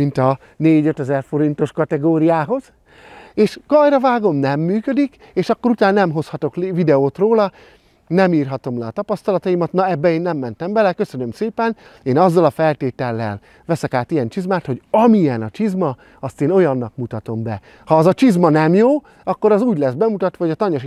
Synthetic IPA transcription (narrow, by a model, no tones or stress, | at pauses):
mint̪ɒ | neːɟø̞t̪ɛzɛrfo̞ɾint̪o̞ʃkɒt̪ɛɡoːɾijaːɦo̞z̥ | eːʃɡ̥ɒjɾɒvaːɡo̞mnɛmːyːkød̪ik | eːʃɒkːo̞ɾut̪aːnnɛmɦo̞shɒt̪o̞klvid̪ɛoːt̪roːlɒ | nɛmiːrɦɒt̪o̞mlɛɒt̪ɒpɒst̪ɒlɒt̪ɒimɒt̪nɒɛbːɛeːnːɛmːɛnt̪ɛmbɛlɛkø̞sønø̞mseːpɛn | eːnɒzːɒlɒfɛlt̪eːt̪ɛlːɛ̰l | ʋɛsɛkaːt̪ijɛnt͡ʃizmaːt̪ho̞ɟɒmijɛnɒt͡ʃizmɒ | ɒst̪eːno̞jɒnːɒkmut̪ɒt̪o̞mbɛ | hɒːzɒt͡ʃizmɒnɛmjoː | ɒkːo̞ɾɒzuːɟlɛsbɛmut̪ɒt̪ʋɒɦojɒt̪ɒɲoʃ